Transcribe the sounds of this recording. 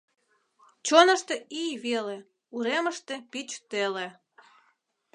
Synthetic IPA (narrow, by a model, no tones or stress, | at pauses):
t͡ɕonəʃt̪eijβele | uɾeməʃt̪e̽pit͡ɕt̪ele